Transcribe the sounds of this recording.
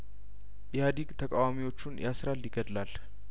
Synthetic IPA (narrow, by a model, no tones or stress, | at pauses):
jɛhad̪iɡt̪ʰəkʼawamiwo̞t͡ʃːunjʔasɾalːɪɡəd̪lal